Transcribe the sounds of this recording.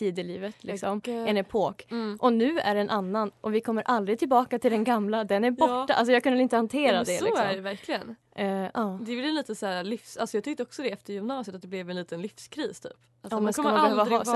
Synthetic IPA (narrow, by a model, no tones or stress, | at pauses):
t̪ʰiːd̪əliːvət̪ʰlɪksɔmɛnɛpʰoːkʔɔnʉ̟ːæ̰ɖɛnʔanːanʔɔvɪkʰɔmːəɾʔald̪ɾɪt̪ʰɪlbɑːkat̪ʰɪld̪ɛnɡamlad̪ɛnæɾbɔʈːaʔa̰ls̬ɔjɑɡkɵnəɾɪnt̪əhant̪ʰeːɾad̪ɛlɪɔsɔɖɛvæɾkʰlɪɡən | ʔʔɑːd̪ɛblɛɛliːt̪əsæːɾlɪfsalsɔjɑɡt̪ʰʏk̚t̪əɔksɔd̪ɛɛft̪əɾjʏmnɑːsɪət̪at̪̚d̪ɛblɛvɛnliːt̪ənlɪfskʰɾiːst̪ʰy̰ːp | at̪ɔːmɛnskamabɛhøːvaː